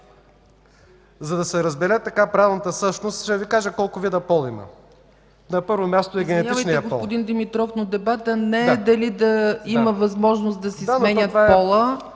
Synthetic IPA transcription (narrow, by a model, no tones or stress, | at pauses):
zɐd̪ɐsɛɾɐzbɛlɛt̪ːɐkapɾavɛvlnət̪əsɤʃnost̪ʃd̪əvikaʒəkɔlˠkʊvid̪ɐpɔlˠimə̰ | nɐpɤɾvomʲjast̪oɛɡʲɛnɛt̪ʲivt͡ʃjniɛəɡospɔ̰lpʊd̪ind̪imit̪ɾɔfnod̪ɛbat̪ənɛd̪ɐlid̪ɐiməvɐzmɔʒnost̪d̪ɐsisd̪amɛnʲət̪vapɔlˠə